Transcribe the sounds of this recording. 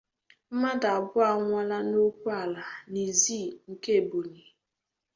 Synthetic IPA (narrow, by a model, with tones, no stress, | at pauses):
m̩˦ma˦da˨a˨bʊ˦a˨ŋʷa˦la˦no˦kʷu˦a˨la˨ni˨zi˦˨ŋ̩˨ke˦˨bo˨ni˨